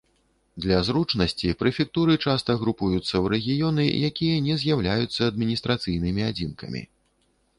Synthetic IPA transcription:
d̪lʲɐzɾut͡ʂnɐsʲt͡sʲipɾɛfʲɛk̚t̪uɾɨt͡ʂast̪ɐɣɾupujut̪sːɐwɾɛɣʲijɔnɨ̰jakʲijɐnʲɛzʲjawlʲajut̪sːɐːd̪mʲinʲist̪ɾat̪sɨjnɨmʲiad͡zʲinkɐ̰mʲḭ

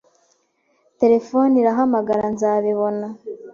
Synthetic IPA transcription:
te̞ɾe̞fo̞niɾaɦamaɡaɾanzaːβiβo̞na

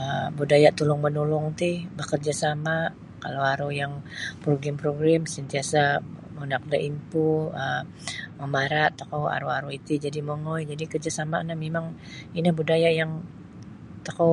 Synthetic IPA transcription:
əbudajat̪ulʊŋmənulʊŋt̪ɪhbəkərd͡ʒasama | kalowaɾujaŋpɾoɡɛmpɾoɡɾamsənt̪iasamənak̚daʔimpuə | məmaɾat̪ːakowa̰ɾuaɾuit̪id͡ʒadimoŋɔjd͡ʒadikərd͡ʒasamanamemaŋ | inahbudajajaŋ | t̪əko

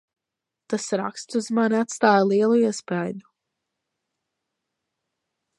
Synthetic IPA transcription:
t̪asɾa̰kst̪uzmaniat̪st̪aːjlˠiɛlˠuiɛspajd̪u

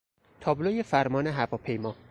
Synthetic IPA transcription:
t̪ʰɒːblojefæɾmɒːneɦævɒːpʰe̞jmɒː

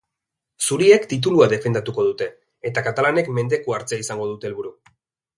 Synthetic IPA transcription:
suɾie̞kt̪it̪̬uluaðe̞fe̞nd̪at̪uko̞ðut̪e̞ː | t̪akat̪alane̞kme̞nd̪e̞kuaɾt͡seaisaŋɡo̞ðut̪e̞ːlβuɾu

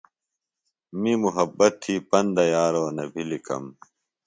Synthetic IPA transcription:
mimuɦɐbːɐt̪ʰːiːpɐnd̪ɐjaːɾoːnɐbʱilikɐ̰m

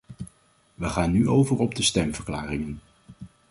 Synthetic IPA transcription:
ʋəχaːnːyʔowvəɹɔb̚dəstɛmvəɹklaːrɪŋən

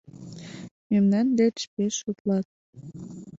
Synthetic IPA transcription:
memnɑnd̪et͡ɕpeʃut̪lɑt̪̚

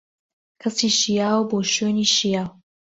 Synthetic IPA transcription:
kʰɐsiːʃijaːwboːʃøːniːʃijaːw

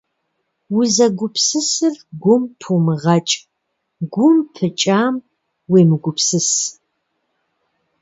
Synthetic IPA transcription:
wʊzɐɡʷʊpʰsɨsɨrɡʷʊmpʰumɨʁɐt͡ʃʼ | ɡʷʊmpʰɨt͡ʃʼaːm | weːmɨɡʷʊpʰsɨs

